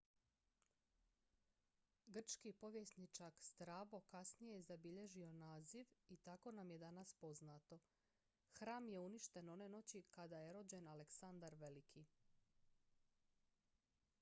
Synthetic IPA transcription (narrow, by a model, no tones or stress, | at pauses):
ɡr̩t͡ʃkipo̞ʋje̞snit͡ʃakst̪ɾaːʋo̞kasnijezabiʎe̞ʒio̞naːziʋit̪ako̞namje̞d̪anaspo̞znaːt̪o̞ | xɾaːmje̞uniʃt̪e̞no̞ne̞no̞t͡ɕikad̪aje̞ɾo̞d͡ʑe̞naleksand̪aɾʋe̞likʰi